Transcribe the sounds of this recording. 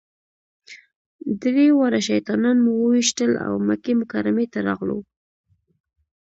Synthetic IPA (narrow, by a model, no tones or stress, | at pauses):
d̪wewaɾaʃajt̪ɑnɑnmuwəwiʃt̪əla̰wmakemʊkaɾamet̪aɾɑɣlo̰w